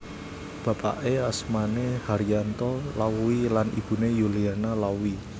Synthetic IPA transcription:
b̥ä̤pa̰ʔeasmanehaɾiant̪ɔlauilanib̥ṳnejuliarnalawi

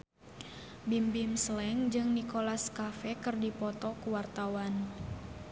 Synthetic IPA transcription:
bimbɪmslɛŋd͡ʒɨŋnikolaskafɛkɨrdipɔt̪ɔkuwart̪awan

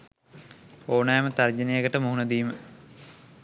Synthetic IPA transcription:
oːnajmət̪ard͡ʒənejəkəʈəmuɦunəd̪iːmə

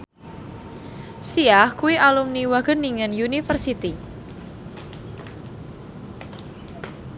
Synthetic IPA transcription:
siahkuwiʔalumniwaɡ̥ənːiŋənjunifərsit̪i

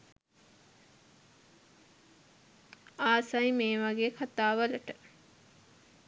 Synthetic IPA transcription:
aːsajmeːʋaɡeːkʰat̪aːʋələʈə

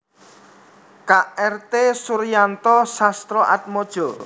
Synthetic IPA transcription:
kaʔɛrt̪esuɾjant̪ɔsast̪ɾɔʔa̰t̪̚mɔd̥ʒ̥ɔ

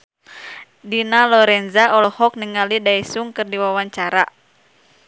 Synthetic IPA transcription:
dinalɔɾɛnzaʔɔlɔhɔk̚niŋalidaisuŋkɨrdiwawaɲt͡ʃaɾa

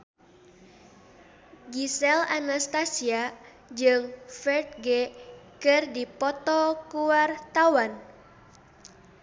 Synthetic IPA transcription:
ɡisɛlanast̪asia | d͡ʒɨŋfɛrt̪̚ɡɛkɨrdipɔt̪ɔkuwart̪awan

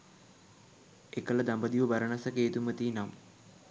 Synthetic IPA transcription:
ekːɐɭɐd̪ɐmbɐd̪iʋubɐɾɐɳɐsɐkeːt̪umɐt̪iːnam

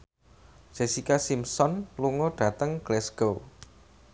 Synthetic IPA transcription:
ʒ̥esikasimsɔnluŋɔɖ̥a̤t̪əŋɡ̥lɛsɡ̥ow

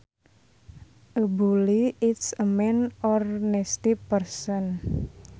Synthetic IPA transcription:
ʔəbuliitsəmɛnɔrnɛst̪ipərsɔn

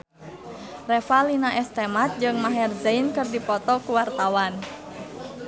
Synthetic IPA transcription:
rɛfalinaʔɛst̪ɛmat̪̚d͡ʒɨŋmaɦɛrzainkɨrdipɔt̪ɔkuwart̪awan

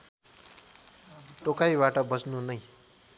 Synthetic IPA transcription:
ʈokajbaʈʌbʌsnunʌj

